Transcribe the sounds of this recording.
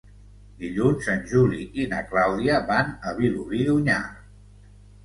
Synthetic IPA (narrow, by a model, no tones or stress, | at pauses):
d̪iʎunzənʒuliinə̰klawðiəβanəβiluβiðuɲa